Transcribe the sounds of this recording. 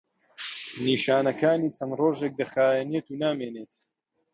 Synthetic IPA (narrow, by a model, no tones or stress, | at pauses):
niːʃaːnɐkaːniːt͡ʃʰɐnroːʒek̚d̪ɐxaːjɛneːt̪uːnaːmeːneːt̪